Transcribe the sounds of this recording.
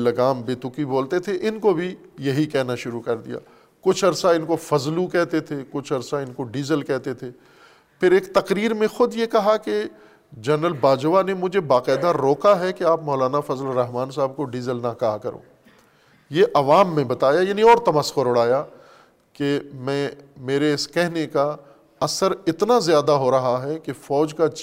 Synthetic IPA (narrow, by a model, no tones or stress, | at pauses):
lɐɡaːmbeːt̪ʊkiboːlt̪et̪ʰeʔɪnkobʱijɐɦikɛɦnaʃʊɾukɐɾd̪ḭja̰ː | kʊt͡ʃʰɐɾsaɪnkofɐzlukɛɦt̪et̪ʰekʊt͡ʃʰɐɾsaɪnkoɖiːzəlkɛɦt̪et̪ʰeː | pʰɪɾeːkt̪ɐqɾiːɾmẽxʊd̪jekɐɦake | d͡ʒɐnɾəlbaːd͡ʒʋanemʊd͡ʒʱebaːqɛːd̪aɾoːkaɦɛkeaːpmɔːlaːnafɐzəlɾɐɦmaːnsaːb̚koɖiːzəlnakaɦkɐɾo̰ː | jeʔɐʋaːmːẽbɐt̪aːjajaːnĩɔːɾt̪ɐməsoɾʊɽaːja | kemɛ̃ːmeːɾeɪskɛɦneka | ɐsəɾɪt̪nazjaːd̪aɦoɾɐɦaɦɛkefɔːd͡ʒka